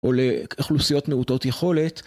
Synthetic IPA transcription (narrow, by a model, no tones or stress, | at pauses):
ʔo̞leiχlusijo̞tmeuto̞tjeχo̞le̞t̪